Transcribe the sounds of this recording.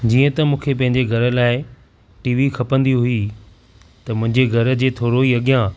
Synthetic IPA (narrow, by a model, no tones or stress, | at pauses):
d͡ʑiːə̃t̪ɐmũːkʰepɐ̃ɦɪ̃ɲ̆d͡ʑeɡʱɐɾə̆laːɪ | ʈiːʋixʰɐpə̃nd̪iɦʊi | t̪ɐmʊ̃ɦɪ̃ɲd͡ʑeɡʱɐɾə̆d͡ʑeːt̪ʰoːɾoiɐɠjã